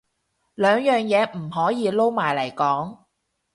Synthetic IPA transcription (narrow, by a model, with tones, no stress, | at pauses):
lœː˨˧ŋjœː˨ŋjɛː˨˧m̩˨˩ɦɔː˨˥jiː˧lo˥wmaː˨˩jlɐ˨˩jkɔː˨˥ŋ